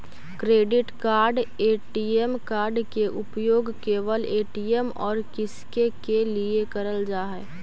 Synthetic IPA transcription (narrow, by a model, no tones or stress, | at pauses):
kɾeːɖɪʈkaːɾɖeːʈijemkaːɾɖkeʔʊpjoːɡkeːʋəleːʈijemɔ̰ːɾkɪskekeliekəɾəld͡ʒaːɦɛː